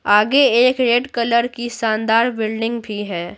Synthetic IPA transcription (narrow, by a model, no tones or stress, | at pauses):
aːɡeeːkɾeːʈkɐləɾkisãːnd̪aːɾbɪlɖɪ̃ŋɡbʱiɦɛː